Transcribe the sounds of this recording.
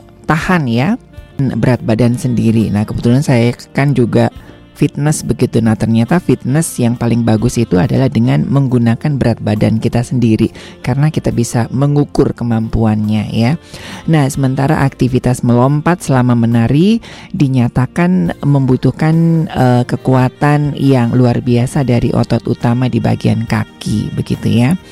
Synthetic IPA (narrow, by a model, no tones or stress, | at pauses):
t̪ahanja | nbəɾat̪̚badansəndiɾinahkəbət̪ulansajakand͡ʒuɡa | fit̪̚nəsbəɡit̪unaht̪ərɲat̪afit̪̚nəsjaŋpalɪŋbaɡʊsit̪uada̰lahdəŋanməŋɡunakanbəɾat̪̚bada̰nkit̪asəndiɾi | kaɾənakit̪abisaməŋukʊrkəmampuanɲa̰janahsəmənt̪aɾa̰ʔak̚t̪ifit̪asməlɔmpat̪̚səlamamənaɾidiɲat̪akanməmbut̪uhkanəkəkuat̪anjaŋluarbiasadaɾḭʔɔ̰t̪ɔt̪ṵt̪amadiba̰ɡia̰nkakḭbəɡḭt̪ṵja